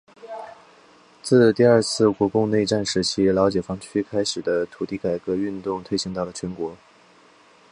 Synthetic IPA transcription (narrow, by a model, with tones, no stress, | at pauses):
t͡sɹ̩˥˧t̪i˥˧ə˞˥˧t͡sʰɹ̩˥˩kwɔ˧˥kʊ˥˧ŋne˥˧ɪʈ͡ʂa˥˩nʂɻ̩˧˥t͡ɕʰi˥ljɑ˧˥ʊt͡ɕjɛ˨˩fɑ˧˥ŋt͡ɕʰy˥kʰa˥ɪʂɻ̩˨˩d̪ə˦t̪ʰu˨˩t̪i˥˩ka˨˩ɪkɤ˧˥y˥˧nt̪ʊ˥˧ŋt̪ʰwe˥˧ɪɕi˥ŋt̪ɑ˥˩ʊlə˩t͡ɕʰɥɛ˧˥nkwɔ˧˥